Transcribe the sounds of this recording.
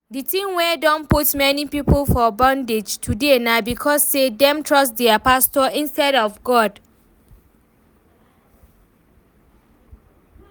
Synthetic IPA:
ditĩmwɛdɔ̃nputmɛnipipolfɔbãnded͡ʒtʰudenabikʰɔsːedɛ̃mtʰɹɔstdɛapastɔĩnstɛɾɔvɡɔd

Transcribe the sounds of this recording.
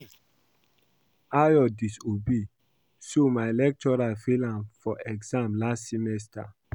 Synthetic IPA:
ajɔdisobe | somaelɛk̚tɔɹalfilãmfɔʔɛɡzãmlastsimɛsta̰

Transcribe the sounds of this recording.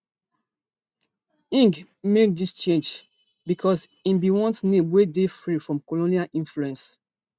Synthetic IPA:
ĩŋɡ | mek̚dist͡ʃẽnd͡ʒ | bikʰɔsĩmbiwɔ̃ntnẽmwedefɹifɹɔ̃mkolonialʔĩnfluɛ̃ns

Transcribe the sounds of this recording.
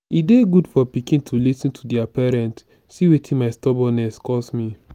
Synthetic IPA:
ideɡudfɔpikĩntʰulisɔ̃ntʰudiapɛɹɛ̃nt | siwetʰĩnmaɪstɔbɔ̃nɛskɔsmi

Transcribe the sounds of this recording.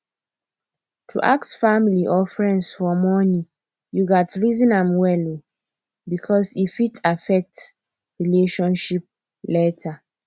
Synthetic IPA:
tʰṵʔaktfamiliʔɔfɹɛ̃ndsfɔmɔnĩ | juɡatɹizɔ̃nãmwɛli | bikʰɔsifitʰafɛk̚t | ɹileʃɔ̃nʃip̚ | lɛtʰa

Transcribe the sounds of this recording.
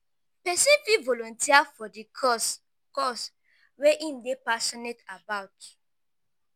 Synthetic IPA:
pɛsĩnfivɔlɔ̃ntiafɔdis | kɔs | weʔĩmdepasɔnetabaʊt

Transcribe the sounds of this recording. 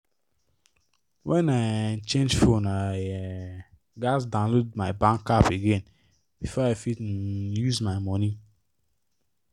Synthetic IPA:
wʔɛ̃naɪnt͡ʃẽnd͡ʒfona | ɡasdãnlod̚maɪbãŋkapeɡẽn | bifɔaɪfit̩juzmaɪmɔni

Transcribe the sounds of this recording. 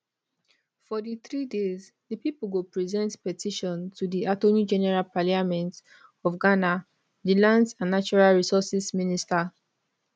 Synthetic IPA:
fɔdiθɹidez | dəpipuɡupɹizɛ̃ntpɛtʰiʃɔ̃ntʰudiʔatonid͡ʒɛnɛɹalpaliamɛ̃nt | ɔfɡana | dilãndsãnːat͡ʃuɹalɹisɔsisminista

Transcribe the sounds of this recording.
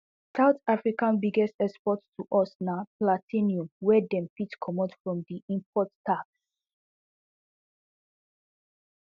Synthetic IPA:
saʊtafɹikãnbiɡɛstɛkspɔttʰuʔɔsnaplatʰĩniɔ̃mwɛdɛ̃mpitkʰɔmɔdfɹɔ̃mdiʔĩmpʰɔtːaks

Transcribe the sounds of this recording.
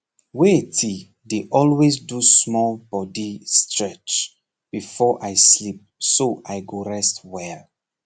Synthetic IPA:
wetʰi | deʔɔlwezdusmɔlbɔdistʰɹɛt͡ʃ | b̥ifɔʔajslip̚soʔaɪɡoɹɛstwɛl

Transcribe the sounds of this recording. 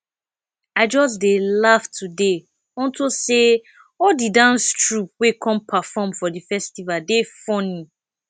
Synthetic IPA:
aɪd͡ʒɔs̬delaftʰude | ɔ̃ntose | ɔdidãnstɹup̚wekʰɔ̃mpʰafɔ̃mfɔdifɛstivadefɔ̃nĩ

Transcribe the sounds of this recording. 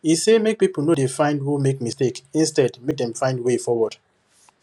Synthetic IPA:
isemek̚pipl̩nodefãɪ̃ndhumek̚mistekĩnstɛdmedɛ̃mfãɪ̃ndwefɔwɔd̥

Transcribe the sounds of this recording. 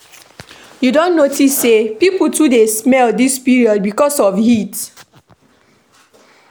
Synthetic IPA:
judõnːotisːepipl̩tudesmɛldispiɹiɔd̚bikɔsɔfhit

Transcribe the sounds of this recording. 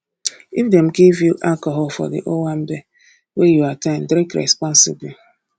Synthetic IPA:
ifdɛm̩ɡivjuʔalkɔɦɔlfɔ̰dḭʔowam̩be | wejuataɪ̃m̩dɾĩkɾɛ̰spɔ̃nsɪbli

